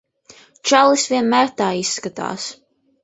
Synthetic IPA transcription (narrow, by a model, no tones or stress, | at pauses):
t͡ʃalˠisvʲiɛnmæːɾt̪aːisːkat̪a̰ːs